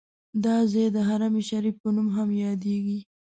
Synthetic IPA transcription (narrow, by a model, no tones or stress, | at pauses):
d̪ɑzed̪əɦaɾameʃaɾifpənumɦamjɑd̪eɡi